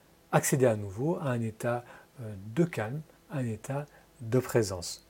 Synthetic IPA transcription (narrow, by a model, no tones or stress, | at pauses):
aksed̪eanuvoaɛ̃net̪a | d̪əkʲalm | aɛ̃net̪ʰa | d̪əpχezɑ̃s